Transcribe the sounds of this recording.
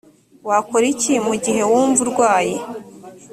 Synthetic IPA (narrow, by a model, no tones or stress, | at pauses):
wakoɾicimuɟiɦe̞wuːɱvuɾɡwaːje